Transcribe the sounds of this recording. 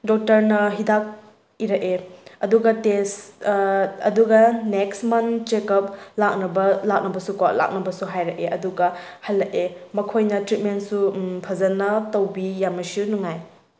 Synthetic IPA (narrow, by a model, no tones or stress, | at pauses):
dɔk̚tɐɾnɐɦidak̚ | iɾɐkeɐduɡɐtes | ɐ̰duɡɐneksmɐnt͡ʃekɐp̚lak̚nɐbɐlak̚nɐbɐsukɔla̰k̚nɐbɐsuɦajɾɐʔeʔɐduɡɐhɐlːɐʔemɐkʰojnɐtɾit̚mensupʰɐzɐnɐtɐwbijamɐsjunuŋaj